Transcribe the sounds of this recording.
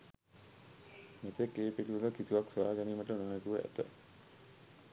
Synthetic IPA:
met̪ekːeːpeʈiʋələkit̪uʋaksuaːɡæniːməʈənonet̪uʋəæ̰t̪ə̰

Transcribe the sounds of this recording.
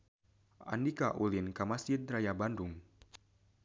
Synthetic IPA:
a̰ndikaʔulinkamasid̪ɾajabanduŋ

